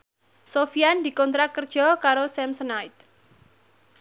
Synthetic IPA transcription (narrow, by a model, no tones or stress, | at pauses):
sofiand̪i̤kɔnt̪ɾakərd̥ʒ̥ɔ̤kaɾosɛmsənaɪt̪̚